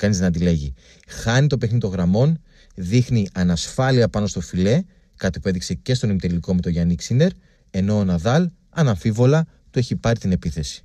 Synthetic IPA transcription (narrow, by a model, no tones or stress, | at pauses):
kɐniznɐt̪̬ile̞ʝi | xɐnit̪o̞peθnit̪o̞ɣɾɐmo̞n | ðixniʔɐnɐsfɐliɐpɐno̞st̪o̞file̞ | kɐt̪ipue̞ðikse̞ce̞st̪o̞nimit̪eliko̞me̞t̪o̞ʝɐniksine̞ɾ | e̞no̞ːnɐðɐl | ɐnɐɱfivo̞lɐ | t̪ue̞çipɐɾit̪ine̞piθe̞si̥